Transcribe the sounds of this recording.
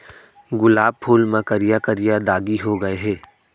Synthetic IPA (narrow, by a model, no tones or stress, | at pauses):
ɡʊlaːb̚pʰuːlmɐ̃kəɾijakɐɾijad̪aːɡiɦoɡɐeɦɛː